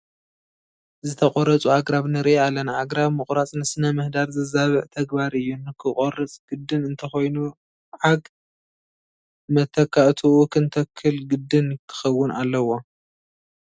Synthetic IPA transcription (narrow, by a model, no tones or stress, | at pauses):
zɨt̪ʰɐχʼoɾɐt͡sʼuʕaɡɾaβnɨɾialɐnʕaɡɾaβmɨχʼɾat͡sʼnɨsɨnɐmɨhd̪aɾzɐzaβɨʕt̪ʰɐɡbaɾɨjːunɨkʰɨχʼorɨt͡sʼɡ̥ɨd̪ːɨnɨnt̪ʰɐxojnu | ʕaɡ | mɐt̪ʰɐkʰːaʔt̪ʰuukʰɨnt̪ʰɐkʰːɨlɡɨd̪ːɨnk̪ʰɨ̥xɐwːʊnalːɐwo̞